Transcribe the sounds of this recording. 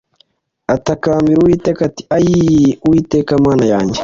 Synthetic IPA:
atakaːmbiɾuwiːtekati̥ajiuwiːteːkamaːnajaːɲɟe

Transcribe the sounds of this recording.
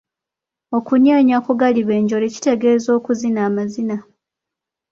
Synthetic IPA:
o̞kunjoːɲakuɡaliβe̞ːɲɟo̞le̞ci̥te̞ɡe̞ːzo̞ːkuzinaːmazina

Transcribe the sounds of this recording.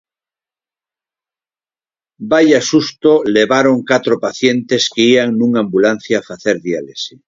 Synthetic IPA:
bajasust̪oleβaɾoŋkat̪ɾopaθjent̪eskeiaŋnũŋambulan̟θjaːfaθeɾðjalesi

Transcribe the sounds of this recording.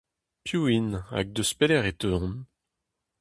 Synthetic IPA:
pjuina̰k̚d̪əspelɛʁet̪ø̃n

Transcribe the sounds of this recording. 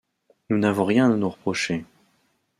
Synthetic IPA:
nunavɔ̃ʁjɛ̃anuʁəpχɔʃe

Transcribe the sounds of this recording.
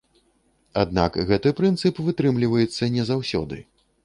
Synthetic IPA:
ad̪na̰kɣɛt̪ɨpɾɨnt̪sɨpvɨt̪ɾɨmlʲivɐjɛt̪sːɐnʲɛzawsʲɔ̰d̪ɨ̰

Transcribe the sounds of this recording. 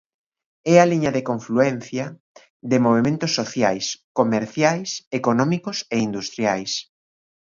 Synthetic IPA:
ɛaliɲɐðekoɱfluɛn̟θjɐ | ðɪmoβ̞emẽnt̪ʊsːoθjajskomeɾθjajsekonɔmikʊseind̪ust̪ɾjajs

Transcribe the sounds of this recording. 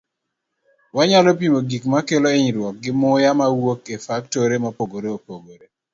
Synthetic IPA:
waɲalɔpimoɡikmakeloeɲiɾwɔk̚ɡɪmʊjamawokefaktoɾemapoɡoɾeopoɡoɾe

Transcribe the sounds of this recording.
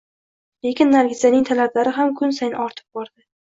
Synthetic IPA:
le̞kʲɪnːaɾɡʲɪzanɪŋt̪ʰalablaɾɪɦamkʰʊnsajnɪɒɾt̪ʰɪ̥p̚bɒɾd̪ɪ

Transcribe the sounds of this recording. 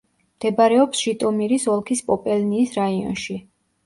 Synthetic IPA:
md̪̥ɛbaɾɛɔpsʃit̪ʼɔmiɾisɔlˠkʰispʼɔpʼɛlniːsɾaiɔ̰nʃi

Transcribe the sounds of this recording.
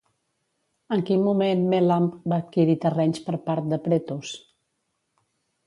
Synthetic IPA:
əŋkinmumenmelambaːt̪̚kiɾit̪ərɛɲspəɾpaɾt̪̚d̪əpɾɛt̪us

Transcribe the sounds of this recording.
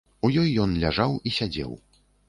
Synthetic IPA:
ujɔjːɔnlʲaʐawisʲad͡zʲɛ̰w

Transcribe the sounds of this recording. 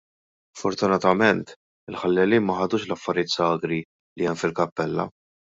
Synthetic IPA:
sfɔɾt̪ʊnɐt̪ɐmɛnt̪ | ɪlħɐlːɛliːnmɐħɐd̪uːʃlɐfːɐɾjɪːt̪sɐːɡɾi | liɛmfɪlkɐpːɛlːɐ̰

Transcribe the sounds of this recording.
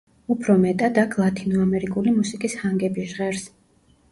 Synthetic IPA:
upʰɾɔmɛt̪ʼad̪akʰlˠat̪ʰʼinɔamɛɾikʼulimusikʼishaŋɡɛbiʒʁɛɾs

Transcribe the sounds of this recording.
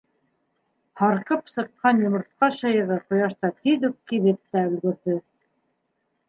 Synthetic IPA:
hɑɾqɤpsɤ̆qqɑnjŏmŏɾt̪̚qɑɕɑjɤ̆ʁɤqŏjɑʃt̪ɑt̪iðʉk̚kilɘp̚t̪æɵ̆lɡɵ̆ɾðɵ

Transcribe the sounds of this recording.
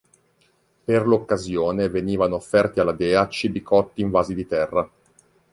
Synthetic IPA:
perlokːazjoːneveniːvanoːfːɛrt̪ialad̪ɛːat͡ʃːibikɔt̪ːiːɱvaːzid̪it̪ɛrːa

